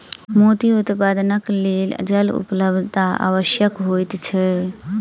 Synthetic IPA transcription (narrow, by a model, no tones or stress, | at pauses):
mot̪iut̪pad̪nəklel̰d͡ʒəlṵpləb̪ʱt̪aa̰ʋəʃjəkɦojt̪t͡ʃʰɛ